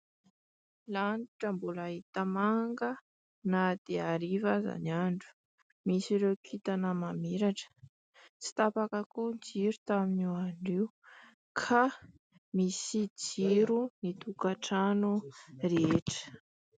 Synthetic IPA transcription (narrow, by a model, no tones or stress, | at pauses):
laɳiʈ͡ʂəmbolaɦit̪amaŋɡə | nad̪̥eaɾivaza̰naɳɖ͡ʐu̥ | misiɾekʰit̪anəmamiɾaʈ͡ʂə̥ | t͡si̥t̪apakakund͡ʒiɾut̪aminiwaɳiw | kʰa | misid͡ziɾunit̪ukaʈ͡ʂanureʈ͡ʂə̥